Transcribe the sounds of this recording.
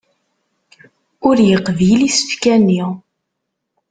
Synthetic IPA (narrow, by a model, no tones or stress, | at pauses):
ʊɾjəqːvjilisə̥fkænːi